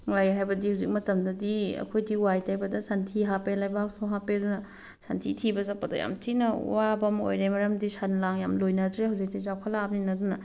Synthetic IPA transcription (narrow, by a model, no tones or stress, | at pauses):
ajɦajbɐdihawzik̚mɐtɐmdɐdiɐ̰kʰojdiwajtʰajbɐdɐsantʰiɦapelajbaksoɦapedunɐ | santʰitʰibɐzapːɐdɐ̰ja̰mtʰinɐ̰wabɐmo̰jɾejmɐɾɐmdisanlaŋjamlojnɐdɾehawzik̚tizakʰɐlab̚ninɐdunɐ